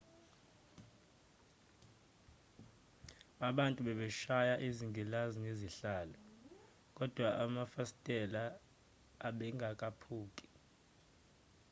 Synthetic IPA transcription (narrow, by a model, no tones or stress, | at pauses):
aɓantʼuɓɛɓɛʃajaʔiziŋɡʱilazineziɬaːlɔ | k̬ʼɔd̥ʱwaʔamafasi̥tʼɛlaː | ɓɛŋɡʱak̬ʼapʰuːkʼi̥